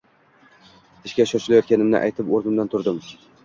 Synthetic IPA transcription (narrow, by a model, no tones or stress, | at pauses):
ɪʃkʲaʃɒʃɪlajɒt̪̚kʲanɪmnɪ̰ʔa̰jt̪ʰɪpoɾnɪmd̪ant̪ʰʊɾd̪ɪm